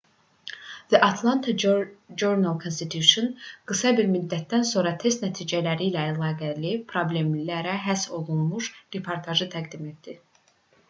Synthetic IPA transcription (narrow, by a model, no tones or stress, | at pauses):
ð̥iʔɑt̪ʰlˠɑnt̪ʰɑd͡ʒoɾnalˠkʰonst̪it̪ʰjuʃonɡ̥ɯsɑbiɾmyd̪ːæt̪̚d̪ænso̞ɾɑt̪ʰe̞st̪næt̪ʰiːd͡ʒælæɾilæːlˠɑːɡælipʰɾoble̞mlæɾæɦæso̞lˠunmuʃɾepʰoɾt̪ʰɑʒɯt̪ʰæɡd̪ime̞t̪d̪i